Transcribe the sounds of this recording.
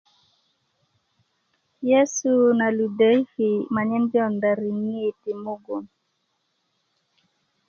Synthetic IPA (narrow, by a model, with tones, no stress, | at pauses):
jɛ˦su˦na˨lu˨de˨˦i˦fi˨ma˨ɲɛ˦nbjɔ˦˨nda˨ɾi˨ŋi˦˨ti˨mu˦ɡo˨m